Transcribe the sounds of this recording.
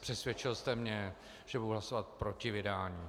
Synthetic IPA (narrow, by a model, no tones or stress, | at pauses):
pr̥ɛsvjɛt͡ʃɪlst̪ɛmɲɛ | ʒ̥ɛbuduɦlasovat̪̚pɾo̞cɪvɪdaːɲiː